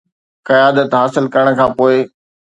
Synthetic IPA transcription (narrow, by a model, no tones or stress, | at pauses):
kɐjaːd̪ət̪ɦaːsɪlkɐɾəɽ̃̆kʰãːpoːɪ